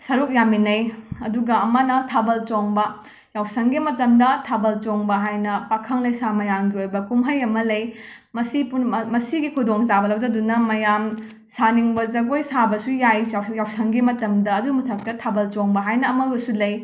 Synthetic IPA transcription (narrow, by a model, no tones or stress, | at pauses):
sɐɾuk̚jaminɐjɐduɡɐɐmɐnɐtʰabɐlt͡ʃoŋbɐ | jawsɐŋɡimɐtɐmdɐtʰabɐlt͡ʃoŋbɐɦajnɐpakʰɐŋlɐjsamɐjamɡiojbɐkumɦɐjɐmɐlɐj | mɐsipunmɐsiɡikʰudoŋzabɐlɐwdɐdunɐmɐjam | saniŋbɐzɐɡojsabɐsujajjawsɐŋɡimɐtɐmdɐːdumutʰɐk̚tɐtʰabɐlt͡ʃoŋbɐɦajnɐːmɐɡɐsulɐj